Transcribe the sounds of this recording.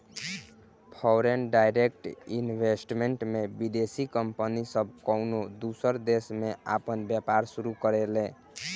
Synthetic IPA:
pʰɔwɾenɖajɾek̚ʈinbʱesʈmeɳʈmebid̪esikəmpənisəb̚ʱkɔwnod̪usəɾd̪esmeapənbjapaɾsuɾukəɾelẽ

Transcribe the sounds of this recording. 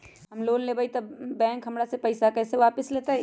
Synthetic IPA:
ɦɐmloːnlebʱait̪ɐbbɛ̃ːŋkɦɐmɾasepɐɪsakɛːseʋaːpəsleːt̪aɛ

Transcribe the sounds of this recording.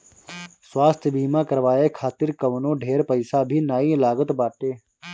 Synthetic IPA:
swaːst̪ʰbʱiːmãːkəɾʋaːekʰaːt̪ɪɾkɐʋnõːɖʱeːɾpəɪsabʱiːnaːilaːɡət̪baːʈeː

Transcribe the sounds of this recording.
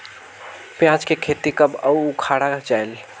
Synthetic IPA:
pjãt͡ʃkekʰet̪ikəbəuukʰaɽad͡ʒael

